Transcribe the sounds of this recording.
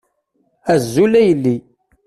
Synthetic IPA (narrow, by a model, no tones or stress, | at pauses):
æzːulæjəlːi